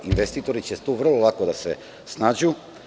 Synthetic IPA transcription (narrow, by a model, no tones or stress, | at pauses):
inʋest̪iːt̪oɾit͡ɕet̪uʋr̩lˠolˠakod̪asḛ | snaːd͡ʑu